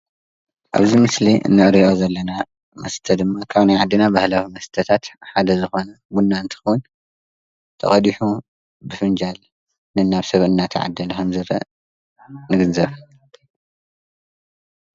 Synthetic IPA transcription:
ʔa̰βzimɨsliʔɨ̰nːɨʔɾiʔozɐlːɐna | mɐ̰st̪ʰɐd̪ɨmːakʰaβnajʕad̪ːinabahlawimɐst̪ʰɐt̪ʰat̪ħad̪ɐzɨxo̞nɐ | bunːaɨnt̪ʰɨ̥xɐwun | t̪ʰɐ̰χʼɐd̪iħu | bɨfɨnd͡ʒal | nɨnaβsɐβɨnːat̪ʰɨʕa̰d̪ːɐlɐkʰɐmzɨɾɐ̰ | nɨɡɨnzɐβ

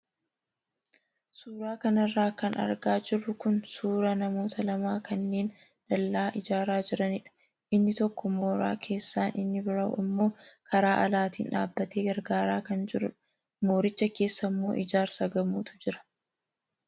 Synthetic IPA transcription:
suːɾaːkɐnɐrːaːkɐnɐ̰ɾɡaːd͡ʒɪrːʊkʊnsuːɾɐnɐmo̞ːt̪ʰɐlɐmaːkɐnːe̞ːn | ᶑɐlːaːʔɪd͡ʒaːɾaːd͡ʒɪɾɐnɪᶑɐ̥ | ʔɪnːɪt̪ɔkːɔmo̞ːɾa̰ːkʰe̞ːsːaːnʔɪnːɪbɪɾɐwɪ̰mːo̞ːkʰɐɾaːʔɐlaːt̪ḭːnᶑa̰ːbːɐt̪e̞ːɡɐɾɡaːɾaːkɐnd͡ʒɪɾʊ | mo̞ːɾɪt͡ʃːɐke̞ːsːɐmːo̞̰ːʔɪd͡ʒaːɾsɐɡɐmuːt̪ʊ̥d͡ʒɪɾɐ̥

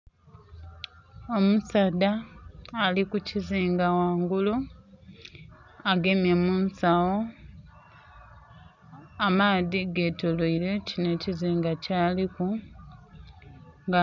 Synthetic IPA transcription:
o̞musadaː | likuciziːŋɡawaːŋɡulu | aɡe̞mjemuːnsawo | amaːðiɡe̞toloile̞cine̞ciziːŋɡacaːliku | ŋɡa

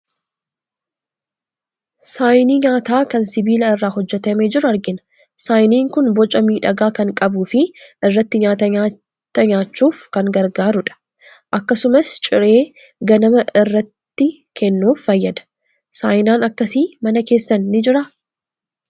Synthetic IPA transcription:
saːjniːɲaːt̪aːkɐnsɪbiːlɐɪrːaːɦɔd͡ʒːɛt̪ɐmeːd͡ʒɪɾʊɐɾɡɪnɐ̥ | saːjniːŋkʊnbɔt͡ʃʼɐmiːᶑɐɡaːkɐŋkʼɐbuːfɪʔɪrːɐt̪ːɪɲaːt̪ɐɲaː | t̪ːɐɲaːt͡ʃːuːfkɐŋɡɐɾɡaːɾʊᶑɐ̥ | ʔɐkːɐsʊmɐst͡ʃʼɪɾe̞ː | ɡɐnɐmɐɪrːɐt̪ːɪ | kʰɛnːuːfːɐjːɐd̪ɐ̥ | saːjnaːnɐkːɐsiːmɐnɐke̞ːsːɐnːɪd͡ʒɪɾɐ

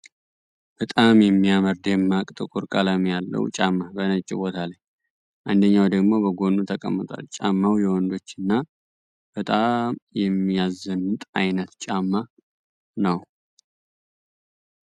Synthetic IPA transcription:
b̥ət̪ʼamjɛmːiaməɾd̪jɛmːakʼt̪ʼɨkʼuɾkʼalamjalːə̰wt͡ʃʼamːabənət͡ʃʼːɪbo̞t̪ʰalaj | ʔand̪əɲːawd̪əɡmo̞bəɡo̞nːut̪ʰəkʼə̰mːɨt̪ʼa̰lt͡ʃʼamːawjɛwɔnd̪o̞t͡ʃːɨnːa | b̥ət̪ʼamjɛmːijazənɨt̪ʼajnət̪t͡ʃʼamːa | nəw

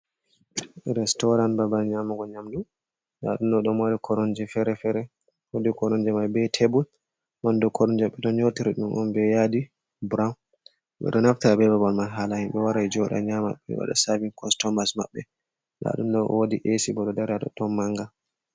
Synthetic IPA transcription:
ɾɛstɔɾanbabalɲamaɡɔɲamdum | la̰ɗumɗɔɗɔmaɾikʰɔɾɔnd͡ʒɛfɛɾɛfɛɾɛ | wodikɔɾɔnd͡ʒɛmajbɛtʰebul | mandɔkʰɔɾɔnd͡ʒɛɓɛɗɔnɲotiɾiɗumʔɔmbɛjadi | bɾaw | ɓɛ̰ɗɔnaftiɾabɛbabalmanɦalahimɓɛwaɾajd͡ʒɔɗa̰ɲama̰ɓːɛ̰wa̰ɗa̰saviŋkɔnstɔmbasma̰ɓːɛ | la̰ɗumɗɔwodiʔesibɔɗɔdɛɾaɗɔ̰tɔmːaŋɡa

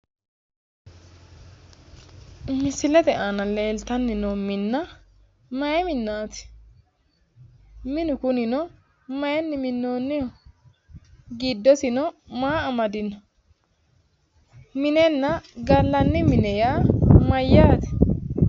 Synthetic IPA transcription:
mɪsɪlɛd̪ɛʔanɐleːlt̪ɐnːɪnɔmɪnːɐ | mɐjɛmɪnːaːt̪ɪ̥ | mɪnʊkʊnɪnɔ | mɐjɛnːɪmɪnːoːnːɪjɔ | ɡid̪ːɔsɪnɔmaːɐmɐd̪ɪnɔ | mɪnɛnːɐɡɐlːɐnːɪmɪnɛjamɐjːaːt̪ɪ̥

